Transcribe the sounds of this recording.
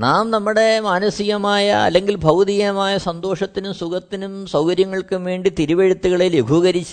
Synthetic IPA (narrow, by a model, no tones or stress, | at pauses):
naːmnɐmːuɽe̞maːnɐsiɣɐmaːjɐɐ̰lːeŋɡilbʱɐwd̪ijɐmaːjɐsɐnd̪o̞ːʂɐt̪ːinumsuɡɐt̪ːinumsɐwkɐɾjɐŋːɐɭkumʋeːɳɖit̪iɾuʋeɻɐt̪ːuɣɐɭiljeɡʱuɣɐɾit͡ɕːu